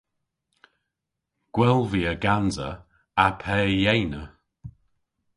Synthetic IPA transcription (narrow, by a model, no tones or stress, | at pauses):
ɡ̥wɛlˠviːəɡanzə̰ | apʰɛːjejnə